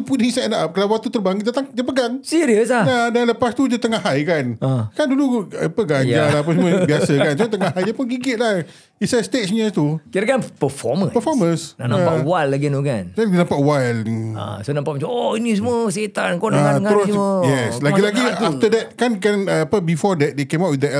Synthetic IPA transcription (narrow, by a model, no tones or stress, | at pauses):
upudiisadaʔap̚kalawak̚t̪ut̪ərbaŋɡitd̪at̪aŋdəpəɡaŋsiɾiəslanadanləpast̪ud͡ʒət̪əŋahajkanəkandulua̰pəɡaɲjd͡ʒalaap̬əsmməbiasəkkansot̪əŋahajdapʊnɡiɡɪt̪̚lah | isast̪ett͡ʃɲət̪ukiɾakanpəfɔ̰mə̃pəfɔmə̃snanãpaʔwajlːaɡinoka̰nɛnãmpaʔwajla̰sonãmpaʔmat͡ʃamoinis̬əmuəset̪ankonaatkaəɾosəjɛslaɡilaɡiaft̪ədɛt̪̚kankanapəbifɔdɛt̚dekemawtʔwid̪ə